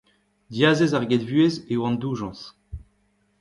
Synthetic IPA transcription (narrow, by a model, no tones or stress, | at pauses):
d̪jazezaʁɡed̪vyezewɑ̃nd̪uːʒɑ̃s